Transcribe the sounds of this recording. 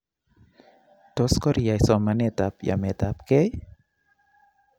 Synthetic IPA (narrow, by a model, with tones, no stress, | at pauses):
t̪o˧˦skɔ˦ɾi˨a˨jsɔ˧ma˧ne˧˨t̪a˨˧pja̰˨me˨t̪a˧pke˦j